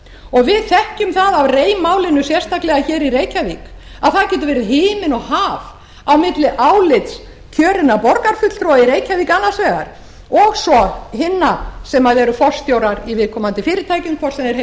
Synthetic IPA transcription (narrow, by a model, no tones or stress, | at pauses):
ɔɣvɪðθɛhcʏmθaðavreːjmaːwlɪnːʏsjɛr̥st̪aklɛɣaçɛːɾiɾejcaviːk | aðθaðcɛːt̪ʏvɛɾʏɦɪːmɪnɔɣhaːv | awmɪt̪lɪʔaːwlɪt̪s | cʰœːɾɪnapɔɾkaɾ̥fʏt̪l̥t̪ɾɔaiɾeːjcaviːkanːasvɛːɣa̰ɾ̥ | ɔɣsɔhɪnːasɛmaðɛɾʏfɔ̥st̪jowɾaɾivɪðkʰɔːmant̪ɪfɪːɾɪɾt̪ʰaːjciŋkʰvɔ̥sɛnɛɾ